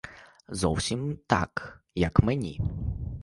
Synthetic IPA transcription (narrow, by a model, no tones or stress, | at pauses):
zɔwsʲimt̪ɑ̰kjɐkmenʲḭ